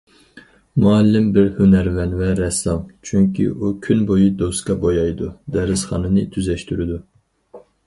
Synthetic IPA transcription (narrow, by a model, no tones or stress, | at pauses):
muɑlːɪmbɪɾhønɛɾvɛnvɛɾɛsɑmt͡ʃʰyŋkʲḭʔukʲʰynbojud̪oskɑbojɑjd̪ud̪ɛɾɪzχɑ̰nɨnɨt̪ʰyzɛʃt̪yɾɪd̪u